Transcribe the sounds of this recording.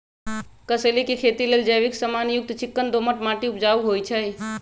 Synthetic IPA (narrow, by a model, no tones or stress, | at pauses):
kəselikikʰet̪ileld͡ʒəjʋiksəmanjuk̚t̪t͡ʃikːənd̪oməʈmaʈiupd͡ʒauɦojt͡ʃʰəj